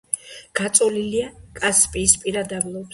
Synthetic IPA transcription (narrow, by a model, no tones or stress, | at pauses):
ɡ̥at̪sʼɔliliakʼaspʼiːspʼiɾad̪ablˠɔb